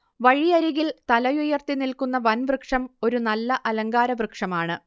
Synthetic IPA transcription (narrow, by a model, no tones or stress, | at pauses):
ʋɐɻijɐɾiɣilt̪ɐlɐjujɐrt̪inilkunːɐʋɐnʋrɨkʂɐmo̞ɾunɐlːɐʔɐlɐŋɡaːɾɐʋrɨkʂɐmaːɳɨ